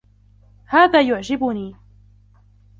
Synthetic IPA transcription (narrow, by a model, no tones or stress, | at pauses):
haːðaːjʊʕd͡ʒɪbʊniː